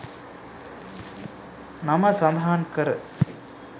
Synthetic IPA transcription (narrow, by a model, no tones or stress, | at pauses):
namɐsɐnd̪ʱɦankəɾə